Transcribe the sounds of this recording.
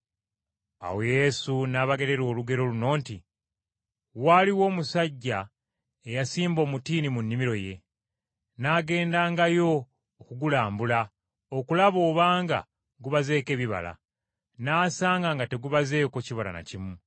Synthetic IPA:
a̰weje̞sunaːβaɡe̞ɾe̞ɾo̞ːluɡe̞ɾo̞luno̞ːnti | waːliwo̞ːmusaɟːa | ejasiːmbo̞ːmutiːnimunːimiɾo̞je̞ | naːɡe̞ːndaːŋɡajo̞ː | kuɡulaːmbula | okulaβo̞ːβaːŋɡa̰ | ɡuβaze̞ːke̞ːβiβa̰la̰ | naːsaːŋɡaŋɡate̞ɡuβaze̞ːko̞ciβala̰na̰cimu

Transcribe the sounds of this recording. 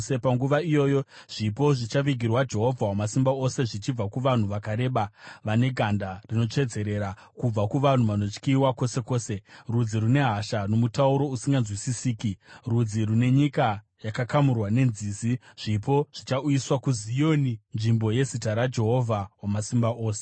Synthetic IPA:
epaŋɡuʋaijo̞ːjo̞ | ʐ̥ipo̞ʐit͡ʃaʋiɡʱirwad͡ʒe̞ɦo̞vʱawamasimbao̞se̞ʐit͡ʃib͡vakuʋan̤uʋakaɾe̞ːɓaʋane̞ɡʱandarino̞t͡ʂe̞d͡ze̞ɾe̞ːɾa | kub͡vakuʋan̤uʋano̞t͡ʃkiwako̞se̞ko̞ːse̞rud͡ziɾune̞ɦaʃano̞mutauɾo̞usiŋɡanzwisisiːkirud͡zirune̞ɲika | jakakamurwane̞nziːziʐ̥ipo̞ʐ̥it͡ʃauiswakuzijoːninʐimbo̞je̞zitaɾad͡ʒe̞ɦo̞vʱawamasimbaʔo̞ːse

